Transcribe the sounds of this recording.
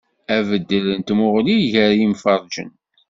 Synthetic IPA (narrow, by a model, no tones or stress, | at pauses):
ævəd̪ːələnt̪mʊʁliʝəɾimfəɾˤʒə̰n